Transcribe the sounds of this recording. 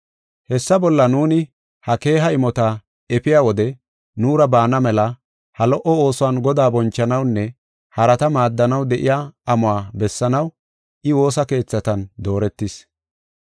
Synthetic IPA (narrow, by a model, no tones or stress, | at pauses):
hɛsːɐbɔlːɐnuːnɪ | hɐke̞ːɦɐɪmɔt̪ɐ | ɛpɪjaːwɔd̪ɛ | nuːɾɐbaːnɐmɛlɐ | hɐlɔʔɔo̞ːsʊanɡɔd̪aːbɔnt͡ʃːɐnɐwnːɛ | hɐɾɐt̪ɐmaːd̪ːɐnɐwd̪ɛʔɪjaːɐmʊaːbɛsːɐnɐw | ʔɪwo̞ːsɐke̞ːt͡sːɐt̪ɐnd̪o̞ːɾɛt̪ːɪs